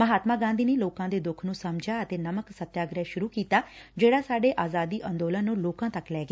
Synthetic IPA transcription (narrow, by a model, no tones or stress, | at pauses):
məɦaːt̪mãːɡãːnd̪iːneːloːkãːd̪eːd̪ʊkʰnũːsəmd͡ʒaːət̪eːnəməksət̪jaːɡɾaːʃʊɾuːkiːt̪aːd͡ʒeːɽaːsaːɖeːʔaːzaːd̪iːʔə̃nd̪oːlənːũːloːkãːt̪əklɛːɡ